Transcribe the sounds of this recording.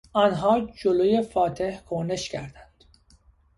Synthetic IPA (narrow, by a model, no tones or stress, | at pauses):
ɒːnɦɒːd͡ʒoloje̞fɒːt̪ʰe̞hkʰone̞ʃcʰæɾd̪ænd̪̥